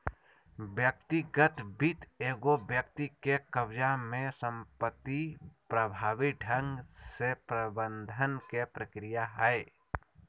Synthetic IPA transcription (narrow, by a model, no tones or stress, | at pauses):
bjək̚t̪iɡət̪bit̪eːɡobjək̚t̪ikekəbd͡ʒamẽsə̃mpət̪ːipɾəbʱaːʋiɖʱə̃ŋɡsepɾəbə̃nd̪ʱənkepɾəkɾijaɦɛe